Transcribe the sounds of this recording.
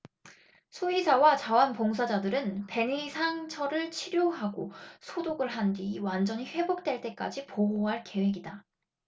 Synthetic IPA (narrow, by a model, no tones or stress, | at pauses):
sʰuisʰawat͡ɕawanpoŋs̬ʰad͡ʑadɯɾɯnpe̞nisʰaŋt͡ɕʰʌɾɯɭt͡ɕʰiɾjoɦaɡo̰sʰodoɡɯɭɦandiwand͡ʑʌɲiɸwe̞bok̚t͈we̞ɭt͈e̞k͈a̰d͡ʑipoɦoɦaɭke̞we̞ɡida